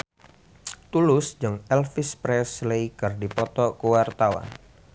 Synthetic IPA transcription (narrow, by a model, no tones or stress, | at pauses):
t̪ulʊsd͡ʒəŋɛlfɪspɾɛslejkɨrdipɔt̪ɔkəwart̪awa̰n